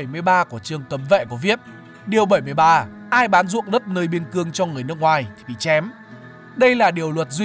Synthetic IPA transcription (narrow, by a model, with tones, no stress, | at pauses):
jmɨ˧əjɓaː˧ku˧˩ət͡ɕɨ˨˩əŋkə˨˦mvɛ̰˧˨ku˧˩əvi˦˥əp̚ | ɗi˨˩əwɓə˧˩jmɨ˧əjɓaː˧ | ʔaː˧jɓaː˨˦nzṵ˧˨əŋzə˦˥t̚nəː˧jɓi˧ənkɨ˧əŋt͡ɕɔ˧ŋɨ˨˩əjnɨ˦˥kŋwaː˨˩jt̪ʰi˨˩ɓḭ˧˨t͡ɕɛ˨˦m | ɗə˧jlaː˨˩ɗi˨˩əwlwə˨˩t̚zwi˧